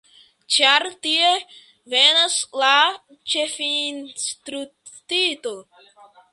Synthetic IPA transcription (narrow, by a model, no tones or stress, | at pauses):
t͡ʃaɾtie | venasla | t͡ʃe̞finstɾu | tito